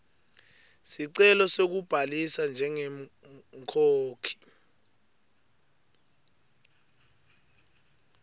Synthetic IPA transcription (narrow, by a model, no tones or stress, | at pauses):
siǀɛlɔsok̬ub̥ʱalisand͡ʒʱɛŋɛŋkʰoːkʰi̥